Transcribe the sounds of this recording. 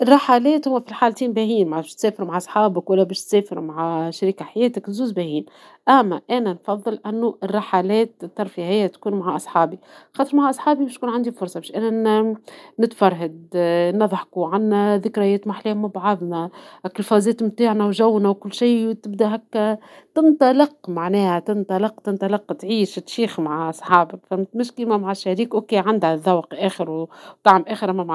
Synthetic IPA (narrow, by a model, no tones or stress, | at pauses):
ʔɪrˤːɑħaːlɛːt̪hʊwːæfilħaːlt̪iːnbæːhiːnmabæʃt̪sɛːfɪɾmaʕʔɑsˤħɑːbɪkwælːæbɛːʃt̪sɛːfɪɾmaʕaʃaɾikaħajɛːt̪ɪknzuːzbæːhiːn | ʔæmːæʔæːnænfɑðˤːɨlʔænːuʔɪrˤːɑħaːlɛːt̪t̪ːɑɾˤfihɪjːæt̪kuːnmaʕaʔɑsˤħɑːbixɑːt̪ˤəɾmaʕaʔɑsˤħɑːbibɪʃt̪kuːnʕand̪ifʊɾsˤɑbɛːʃʔæːnæ | nɪt̪fɑɾˤɦad̪nɑðˤħkuʕanːæðɪkɾɪjɛːt̪maħleːmabʕɑðˤnɑʔkːɪlfɑːzɛːt̪mt̪aːʕnæwʒæwːnæwkʊlːʃiːt̪ɪbd̪æɦækːæt̪ɪnt̪ˤɑlɪqmaʕnɛːhæt̪ɪnt̪ˤɑlɪqt̪ɪnt̪ˤɑlɪqːt̪ʕiːʃt̪ʃiːxmaʕʔɑsˤħɑːbfæmːt̪mɪʃkimæmaʕaʃːæɾiːkʔokeːʕand̪hæðɑwqʔæːxɪɾwt̪aʕmʔæːxɪɾʔmæmʕ